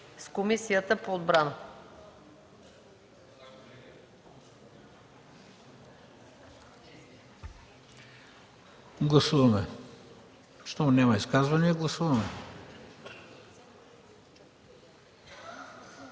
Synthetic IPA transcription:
skomisijət̪əpoːd̪bɾanə | ɡlˠɐsuvɐmɛ | ʃt̪ɔnʲamɐiskazvɐniɛɡlˠɐsuvɐmɛ

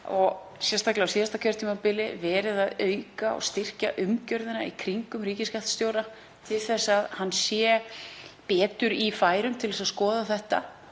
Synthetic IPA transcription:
ɔɣ | sjɛnst̪ʰaklɪawsiːðast̪akʰɛɾt̪ʰimapɪlɪvɛːɾɪðaðœːɥkaɔ̰ɣst̪ɪr̥caʔʏmcœɾðɪna̰ḭkʰɾiŋkʏmriːcɪskaft̪st̪jowɾa | t̪ʰɪlθɛsːaðhanːsjɛ | pɛːt̪ʏɾifaːjɾʏmt̪ʰɪlðɛsaskɔːðaθɛht̪a

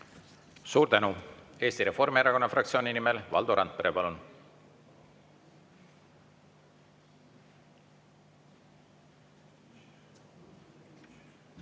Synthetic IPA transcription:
suːɾt̪ænue̞ːst̪iɾe̞fo̞rmieɾɑko̞nːɑfrɑkt̪sio̞ːnʲinimelvɑ̰ld̪̥oɾɑnt̪̚peɾepɑlun

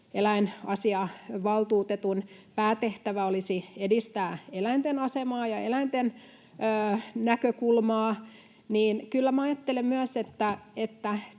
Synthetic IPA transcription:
elæinɑsiɑʋɑlt̪uːt̪et̪unpæːt̪eht̪æʋæolisiedist̪æːelæint̪enɑsemɑːjɑelæint̪en | øːnækøkulmɑː | niːnkylːæmæɑjɑt̪ːelemmyæset̪ːæet̪ːæ

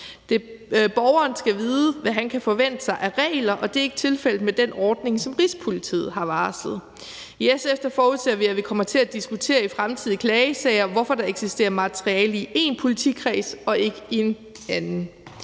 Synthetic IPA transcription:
d̥e̝b̥ɒʊɐːnsɡ̥æʋiːðˠəʋæɦænkʰæfɒ̽ʋen̰d̥əsɑ̈ɪʔæʁɛ̰ːlɐʔɒ̽d̥e̝æɐe̝ɡ̥ə̥t͡sʰe̝lfel̰d̥̩med̥enɒːd̥ne̝ŋsɒ̽mʁispʰo̝lit͡sʰḭːð̩ˠɦɑ̈ʋɑ̈ːslð̞̩ˠ | jesefd̥ɐfɒːuðˠsʰeɐʋiæʋikʰɒ̽mɐt͡sʰe̝læd̥isɡ̥ut͡sʰe̝̰ːɐifʁamt͡sʰið̰ˠkʰlɛːɪəsɛ̰ɪɐʋɒfɒ̽d̥ɑ̈e̝ɡ̥sisd̥e̝̰ːɐmɑt͡sʰʁiɛːləie̝npʰo̝lit͡sʰḭkʰʁɛ̰sɒ̽e̝ɡ̥əe̝n | ænn̩

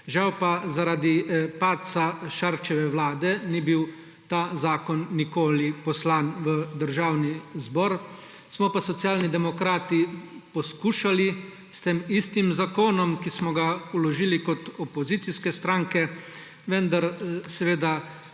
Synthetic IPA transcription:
ʒawpazaɾaːd̪ipaːt̪̚t̪saʃaɾt͡ʃɛʋɛwlaːd̪ɛnibiw | t̪aːzaːkɔnːikoːlipɔslaːnʋəd̪əɾʒaːwnizbɔɾ | smɔpasɔt̪sjaːlnid̪ɛmɔkɾaːt̪ipɔskuːʃali | st̪eːmist̪imzakoːnɔmkismɔɡaulɔʒiːlikɔt̪ɔpɔzit̪siskɛst̪ɾaːŋkɛ | ʋɛnd̪aɾsɛʋeːd̪a

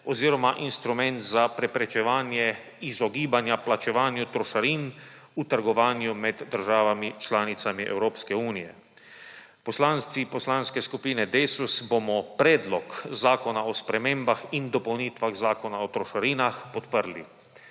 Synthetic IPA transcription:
ɔziːɾɔmaʔinst̪ɾumɛnt̪zapɾɛpɾɛt͡ʃɛʋaːnjɛ | izɔɡiːbanjaplat͡ʃɛʋaːnjut̪ɾɔʃaɾiːn | ut̪əɾɡɔʋaːnjumɛd̪ːəɾʒaːʋamit͡ʃlaːnit̪samiʔɛ̰wɾoːpskɛuːnijɛ | pɔslanst̪ipɔslanskɛskupiːnɛd̪eːsusbomɔpɾɛːd̪lɔkzaːkɔnaɔspɾɛmẽːmbaxind̪ɔpɔwniːt̪ʋaɣzaːkɔnaɔt̪ɾɔʃaɾiːnaxpɔt̪pəɾli

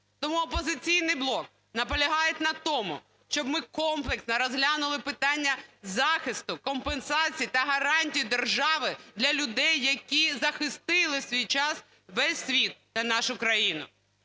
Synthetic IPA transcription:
t̪ɔmuɔpɔzɪt͡sʲijnɪjblˠɔk̚ | nɐpɔlʲɐɦɑjet̪ʲnɐt̪ɔmʊ̰ | ʃt͡ʃɔbmɪkɔmplˠɪksnɐɾɔzɦlʲanʊlˠɪpɪt̪ɑnʲːɐzɑxɪst̪ʊkɔmpensɑt͡sʲijit̪ɐɦɐɾɑnʲtʲijid̪erʒɑʋɪd̪lʲɐlʲʊd̪ɛjːɐkʲizɐxɪst̪ɪlˠɪsʲʋʲijt͡ʃɑs | ʋɛsʲːʋʲit̪̚nɐnɑʃʊkɾɐjinʊ̰

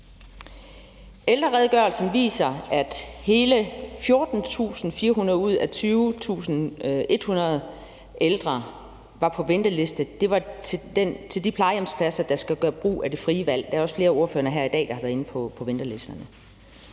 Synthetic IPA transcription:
ʔeld̥ʁɐʁɛðˠɡ̥ɶɐlsn̩ʋḭːsɐæd̥he̝ːləfjo̝ːɐd̥n̩t͡sʰṵːsn̩fiːɐɦunɐðˠuð̞̰ˠæt͡sʰyːʊt͡sʰṵːsn̩e̝d̥hunɐð̩ˠ | ʔeld̥ʁɐ | ʋɑ̈pʰɒ̽ʋend̥ɐle̝sd̥əd̥e̝ʋɑ̈t͡sʰed̥ent͡sʰe̝ldipʰlɑ̈ɪjemspʰæsɐd̥ɑ̈sɡ̥æɡ̥ɶːɐb̥ʁṵːæd̥e̝fʁiːəʋæl̰d̥ææɐɒ̽sfle̝ːɐo̝ɐfø̰ːɐɦæɐ̰id̥ɛ̰ːd̥ɑ̈hɑʋæːɐe̝nəpʰɒ̽pʰɒ̽ʋend̥ɐle̝sd̥ɐnə

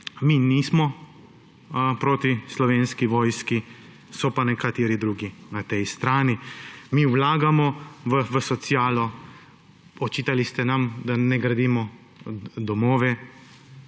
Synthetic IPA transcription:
miːniːsmɔ | pɾoːt̪islɔʋeːnskiʋɔːjski | sɔpanɛkat̪eːɾid̪ɾuːɡinat̪ɛjst̪ɾaːnimiːwlaːɡamɔʋəʋəsɔt̪sjaːlɔ | ɔt͡ʃiːt̪alist̪ɛnamd̪anɛɡɾad̪iːmɔ | d̪ɔmɔːʋɛ

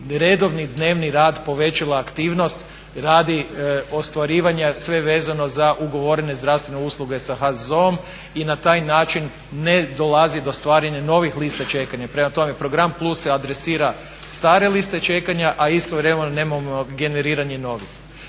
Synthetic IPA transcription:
ɾe̞d̪o̞ʋnid̪ne̞ːʋniɾaːd̪po̞ʋe̞t͡ʃalaːkt̪iːʋno̞st̪ | ɾaːd̪io̞st̪ʋaɾiːʋaɲasʋe̞ʋe̞ːzano̞zaʔuɡo̞ʋo̞ɾene̞zd̪ɾaʋst̪ʋe̞neuslˠuɡe̞saxazoom | inat̪aːjnaːt͡ʃinː | e̞d̪o̞lazid̪o̞st̪ʋaːɾaɲano̞ʋixlist̪at͡ʃe̞kaɲapɾe̞mat̪ome̞pɾo̞ɡɾamplˠusead̪ɾesiːɾa | st̪aːɾe̞list̪e̞t͡ʃe̞kaɲaʔaist̪o̞ʋɾemenoneːmamoɡe̞ne̞ɾiːɾaɲeno̞ʋix

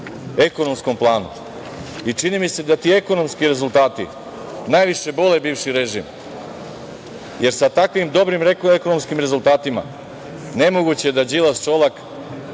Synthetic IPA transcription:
e̞kono̞msko̞mplˠaːnṵ | it͡ʂinimise̞d̪at̪ie̞ko̞no̞mskiɾe̞zulˠt̪aːt̪ḭ | naːjʋiʃe̞bo̞le̞biːʋʃiɾe̞ʒḭm | je̞ɾsat̪akʋimd̪o̞bɾimɾekeko̞no̞mskimɾe̞zulˠt̪aːt̪ima̰ | ne̞moɡut͡ɕed̪ad͡ʑilast͡ʃo̞lak

